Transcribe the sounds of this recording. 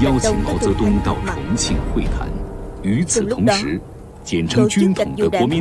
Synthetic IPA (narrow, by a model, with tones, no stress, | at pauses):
jɑ˥ʊt͡ɕʰi˥ʊ˨˩ŋmɑ˧˥ʊt͡sɤ˧˥t̪ʊ˥ŋt̪ɑ˥˩ʊʈ͡ʂʰə̰˧˥ŋt͡ɕʰḭ˥˩ŋxwe˥˩ɪt̪ʰa̰˧˥ny˧˥t͡sʰɹ̩˨˩t̪ʰʊ˧˥ŋʂɻ̩˧˥ | t͡ɕjɛ˨˩nʈ͡ʂʰɤ˧˥ŋt͡ɕy˥nt̪ʰə˦ʊ˨˩ŋə˦kwwɔ˧˥mi˧˥